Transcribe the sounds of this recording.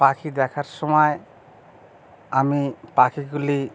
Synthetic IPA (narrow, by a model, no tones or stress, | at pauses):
pakʰid̪ɛkʰaɾsɔmɔj | amipakʰiɡuli